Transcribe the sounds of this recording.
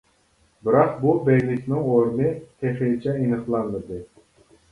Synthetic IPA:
bɪɾɑq̚bubɛjʲlɪkʲnɪŋoɾmɨt̪ʰeχilt͡ʃʰɛinɨχlˠɑnːɨd̪ɨ

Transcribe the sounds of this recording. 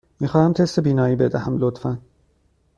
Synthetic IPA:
miːxɒːhæmt̪ʰest̪ebiːnɒːjiːbed̪æhæmlot̪fæn

